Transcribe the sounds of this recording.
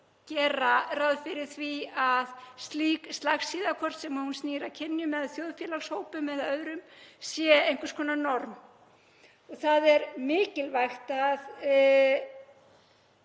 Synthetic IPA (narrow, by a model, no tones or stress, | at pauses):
cɛːɾarawðfɪɾɪɾ̥θviaðst̪liːkst̪laxsiːðakʰɔr̥t̪sɛmahunstniːɾacʰɪnːjʏmɛðaθjowðfjɛlaɣshoːwpʏmːɛðaœðɾʏmsjɛejŋkʏ̥skʰɔːnanɔɾm | ɔɣθaðɛɾmɪːcɪlvajxt̪að